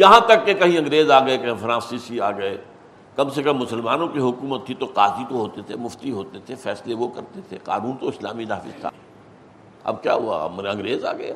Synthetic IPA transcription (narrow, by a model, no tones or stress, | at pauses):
jɐɦãt̪ɐkːekɐɦĩɐ̃ŋɡɾeːzaːɡɐekɐɦĩfɾãːsisiaːɡɐe | kɐbsekɐmːʊsəlmaːnõkiɦʊkuːmət̪ʰːit̪oqaːzit̪oɦoːt̪et̪ʰemʊft̪iɦoːt̪et̪ʰefɛːsleʋokɐɾt̪et̪ʰeqa̰ːnuːnt̪oɪslaːmid̪aːfɪst̪ʰa̰ | ɐ̰b̚kja̰ːɦua̰mɐ̃ŋɡɾeːza̰ːɡɐe